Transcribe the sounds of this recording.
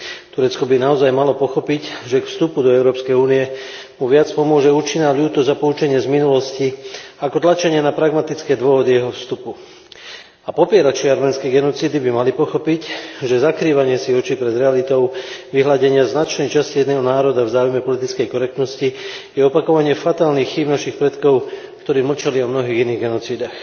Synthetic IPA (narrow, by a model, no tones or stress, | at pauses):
t̪uɾɛt͡skɔbinaɔzajmalɔpɔxɔpicʒɛkfst̪upud̪ɔɛʊɾɔːpskɛjuːnijɛ | muʋɪat͡spɔmʊɔʒɛuːt͡ʃinaːʎuːt̪ɔzapɔut͡ʃɛɲɪɛzminulɔsciakɔt̪lat͡ʃaɲɪɛnapɾaɡmat̪it͡skɛːd̪ʋɔɦɔd̪ijɛɦɔfst̪upu | apɔpɪɛɾat͡ʃiaɾmɛnskɛɡɛnɔt͡siːd̪ibimalipɔxɔpicʒɛzakɾiːʋaɲɪɛsiɔt͡ʃipɾɛd̪ɾɛalit̪ɔʊʋiɦlaɟɛɲɪaznat͡ʃnɛjt͡ʃascijɛd̪nɛːɦɔnaːɾɔd̪avzaːujmɛpɔlit̪it͡skɛjkɔɾɛk̚t̪nɔscijɛɔpakɔʋaɲɪɛfat̪aːlnixːiːbnaʃixpɾɛt̪kɔʊ | kt̪ɔɾiːml̩t͡ʃaliɔmnɔɦiːɣiniːɣɡɛnɔt͡siːd̪ax